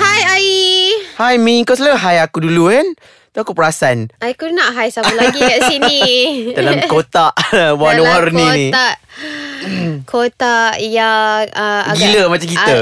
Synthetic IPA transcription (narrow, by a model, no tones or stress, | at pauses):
hajaihajmĩŋkɔs̬laɦajakudulukan | t̪oakupəɾasanʔajkunãʔɦajsaulaɡikaʔsinidalamkot̪aʔwanwarnĩaʔ | kʰot̪aʔjaəɡiləmat͡ʃamkit̪ə